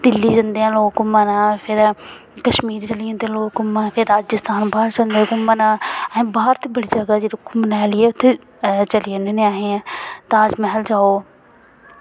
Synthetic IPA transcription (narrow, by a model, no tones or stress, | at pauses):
d̪ɪlːiːd͡ʒɐnd̪eãːloːkʊmanaːpʰɪɾ | kəʃmiːɾt͡ʃəlɪãːt̪eloːkʊmapʰɪɾɾaːd͡ʒɪst̪aːnbaːɾt͡ʃənd̪ekʊmənãːɦẽːbaːəɾt̪ibəɽiːd͡ʒəɡad͡ʒeɾokʊmnɛːlɪeːʊt̪ʰːe | t͡ʃəlinenẽaːɦẽt̪ad͡ʒmɛɦəld͡ʒaːoː